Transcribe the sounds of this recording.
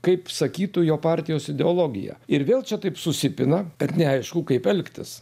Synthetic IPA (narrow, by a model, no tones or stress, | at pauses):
kɐɪpsɐkʲiːt̪ʊjoːpɑːɾʲt̪ʲɪjoːsɪd̪ʲɛoːlˠoːɡʲɪ̰jɛ̰ɪɾʋʲeːlˠt͡ʃʲɛt̪ɐɪpsʊsʲɪpʲɪnɐb̥ʲɛt̪nʲɛɐɪʃkʊkɐɪpɛlʲkt̪ʲɪs